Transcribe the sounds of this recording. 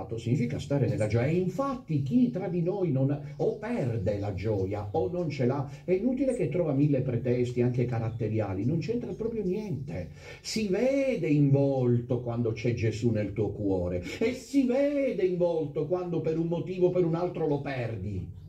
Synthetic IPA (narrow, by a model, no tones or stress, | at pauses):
t̪osiɲːiːfikast̪aːɾenelːad͡ʒɔːjaɛiɱfat̪ːik̟it̪ɾad̪inojnon | opɛrd̪elad͡ʒɔːja̰onːont͡ʃela | ɛinuːt̪ilek̟et̪ːɾɔːvamilːepɾɛt̪ɛst̪iaŋk̟ekaɾat̪ːeɾja̰ːlinont͡ʃɛnt̪ɾapɾɔːpɾjonjɛnt̪ḛ | sivɛːd̪eiɱvɔlt̪okwand̪ot͡ʃɛd͡ʒezunelt̪uːokwɔːɾeesivɛːd̪eiɱvɔlt̪okwand̪opeɾummot̪iːvopeɾunalt̪ɾolopɛrd̪i